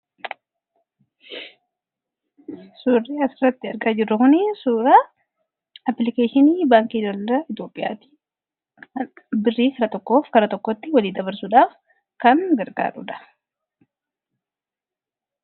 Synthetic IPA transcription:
suːrːiːɐsɪrːɐt̪ːɪɐɾɡaːd͡ʒɪrːʊkʊnɪsuːɾa | ɐplɪkeːʃɪniːbaːŋkiːdɐlɐɾɐɪt̪jo̞ːpʼːɪja̰ːt̪i̥ | n | bɪrːiːkɐɾɐt̪ɔkːo̞ːfkɐɾɐt̪ɔkːɔt̪ːɪwɐliːd̪ɐβɐɾsʊᶑaːf | kɐŋɡɐɾɡa̰ːɾʊ̰ᶑɐ̥

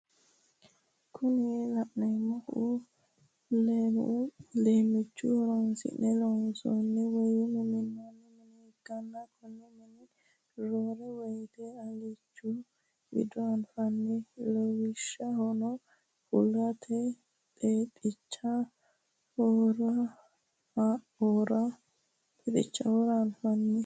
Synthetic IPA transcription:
kʰʊnɛlɐʔnɛmɐʊ | lemleːmɪt͡ʃːʊ̰hɔɾɔnsɪ̰nɛlɔnsɔnːɛwɔjɪnɛmɪnːɐnːɛmɛnɛ | ɡɐnːɐkʰʊnːɛmɛnɪ | ɾoɾɛwɔjt̪ɛɐlɪt͡ʃːʊ | wɪ̰d̪ʊɐnfɐnːɛlɔwɪʃːɐhɔnɔ | hʊlːɐt̪ʰɛ | t̪ʼeːtʼɪt͡ʃːɐ | hɔɾɐ | ɔɾɐ | pɛt̪ʼɪ̰t͡ʃːɐhɔɾɐːnfɐnːɛ

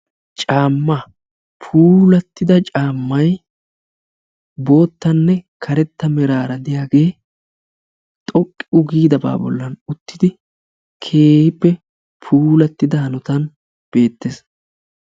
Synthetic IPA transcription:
t͡ʃʼaːmːɐ | pʰuːlɐt̪ːɪd̪ɐt͡ʃʼaːmːɐj | bo̞ːt̪ːɐnːɛkʰɐɾɛt̪ːɐmɛɾaːɾɐd̪ɪjaːɡe̞ː | t̪ʼɔkʼːɪʊɡiːd̪ɐba̰ːbɔ̰lːɐnʊt̪ːɪd̪ɪ | kʰe̞ːhɪpːɛ | pʰuːlɐt̪ːɪd̪ɐhɐnʊt̪ɐn | b̥e̞ːt̪ːeːs

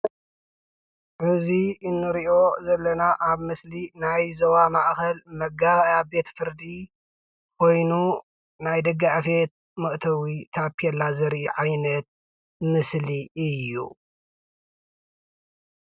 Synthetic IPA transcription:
ʕɨziɨnːɨɾiʔo̞zɐlːɐnaʔaβmɨslinajzɐwamaʔkɐlmɐɡaβjabe̞t̪fɨɾd̪i | kʰo̞jnu | najd̪ɐɡːaʕfet̪̚ | mɐʔt̪ʰɐwit̪ʰapːiɛlːazɨɾʔiʕajnɐt̪̚ | mɨsliɨjːṵ

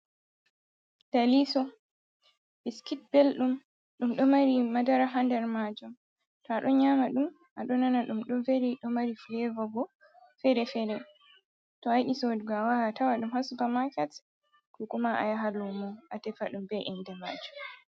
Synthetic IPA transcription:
d̥alisɔ | biskit̚bɛlɗum | ɗumɗɔmaɾimadaɾaɦandɛɾmad͡ʒum | tɔaɗɔɲamaɗum | ʔaɗɔnanaɗumɗɔmfeɾiɗɔmaɾiflɛvɔbɔ | fɛɾɛfɛɾɛ | tɔajɗisɔdɡawaatawaɗumhasubamakat | kɔkumaʔa̰jaɦalɔmɔʔatɛfaɗumbɛʔɛndɛmaːd͡ʒum

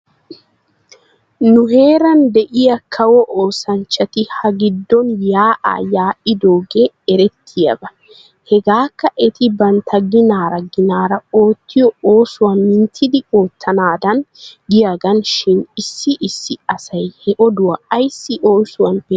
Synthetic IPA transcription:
nʊhe̞ːɾɐnd̪ɛʔɪjɐkʰɐwɔʔoːsɐnt͡ʃːɐt̪ɪhɐɡɪd̪ːɔnjaːʔa̰ːjaːʔɪd̪o̞ːɡe | ɛɾɛt̪ʰːɪjɐ̰bɐ | hɛɡaːkːɐʔɛt̪ɪbɐnt̪ʰɐɡɪnaːɾɐɡɪnaːɾɐo̞ːt̪ʰːɪjɔoːsʊwɐnːɪnt̪ʰːɪd̪ɪo̞ːt̪ʰːɐnaːd̪ɐnɡɪjaɡɐnʃɪnɪsːɪʔɪsːɪɐsɐjhɛʔɔd̪ʊwɐɐjsːɪʔo̞ːsʊwɐnbe

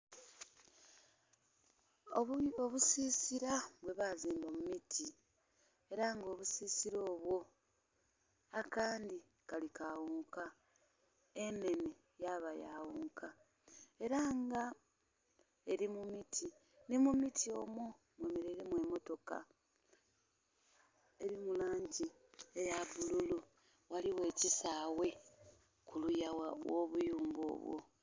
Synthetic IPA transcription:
ooβusisiɾaβwe̞βaziːmbamumitʰi | e̞ɾaŋɡo̞ːβusiːsiɾo̞ːβwo̞ | akaːndi | kalikawuːŋka | e̞ne̞ne | jaβaja̰wuːŋkʰa | e̞ɾaŋɡa | e̞ɾimumitʰi | nimumitʰio̞mwo̞ | mwe̞meɾeɾemwe̞mo̞to̞ka̰ | e̞ɾimulaːɲɟi | ejaβululu | waliwe̞ːcisaːwe̞ | kʰulujawoβujuːmbo̞̰ːβwo̞̰

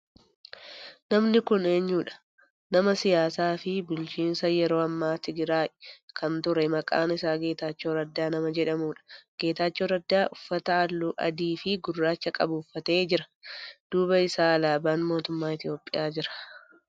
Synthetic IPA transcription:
nɐmnɪkʊne̞ːɲːuːᶑɐ̥ | nɐmɐsɪjaːsaːfɪbʊlt͡ʃiːnsɐjɛɾo̞ːɐmːaːt̪ɪɡɪɾaːʔɛkʰɐnt̪ʊɾɛmɐkʼa̰ːnɪsaːɡe̞ːt̪aːt͡ʃːoːɾɐd̪ːaːnɐmɐd͡ʒɛᶑɐmuːᶑɐ̥ɡ̥e̞ːt̪aːt͡ʃːoːɾɐd̪ːaːʔʊfːɐt̪ɐɐlːuːʔɐ̰d̪iːfɪɡʊrːaːt͡ʃːɐkʼɐbuːfːɐt̪e̞ːd͡ʒɪɾɐ̥d̪̥uːbɐɪsaːɐlaːbaːnmo̞ːt̪ʊmːaːɪt̪ɪjo̞ːpʼːɪjaːd͡ʒɪɾɐ̥

